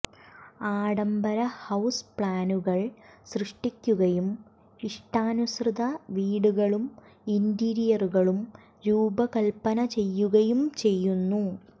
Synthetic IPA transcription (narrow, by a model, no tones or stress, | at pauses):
aːɽɐmbɐɾɐhɐwspɭaːnuɣɐɭsrɨʂʈikʲːuɣɐjum | iʂʈaːnusrɨd̪ɐʋiːɽuɣɐɭum | indiɾijɐruɣɐɭum | ɾuːbɐkɐlpːɐnɐt͡ɕe̞jːuɣɐjumt͡ɕe̞jːunːu